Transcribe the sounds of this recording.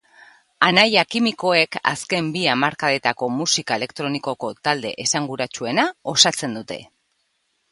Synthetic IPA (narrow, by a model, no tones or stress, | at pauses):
anajakimiko̞e̞ka̰ske̞mbiamaɾkaðe̞t̪ako̞musikae̞le̞kt̪ɾo̞niko̞ko̞t̪ald̪e̞̰ʔesaŋɡuɾat͡ʃue̞nao̞sat͡se̞nd̪ut̪e̞̰